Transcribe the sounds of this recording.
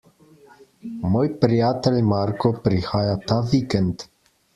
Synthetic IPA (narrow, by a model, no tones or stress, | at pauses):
mojpɾiat̪elʲmaɾkopɾihajat̪avikɛnt̪